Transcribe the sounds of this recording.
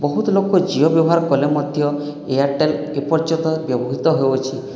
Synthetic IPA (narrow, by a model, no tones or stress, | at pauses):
bɔɦut̪ɔlokɔd͡ʒiɔbjɔbɔɦaɾkɔlemɔd̪ʱjɔ | eaɾʈelepɔɾd͡ʒɔ̃nt̪ɔbjɔbɔɦit̪ɔɦeot͡ʃʰi